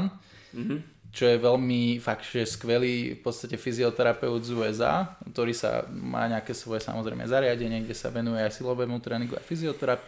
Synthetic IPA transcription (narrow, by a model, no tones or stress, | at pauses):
n | t͡ʃɔjɛʋɛʎmifakt͡ʃʒɛskʋɛliːfpɔt̪st̪acɛfiziɔt̪ɛɾapɛʊzuɛza̰kt̪ɔɾiːsa̰ma̰ːɲɛakɛːsʋɔjɛsa̰mɔzɾɛ̰ɪmɛ̰zaɾɪaɟɛɲɪɛɡɟɛsa̰ʋɛnujɛajsilɔʋɛmut̪ɾɛːnĩŋɡua̰jfiziɔt̪ɛɾap